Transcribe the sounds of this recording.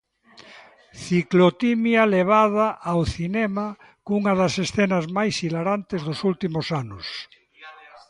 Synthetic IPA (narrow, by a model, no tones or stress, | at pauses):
θiklot̪imjaleβ̞að̞aʔːwθinema | kuŋaðasesθenazmajsilaɾant̪ezðosult̪imosanos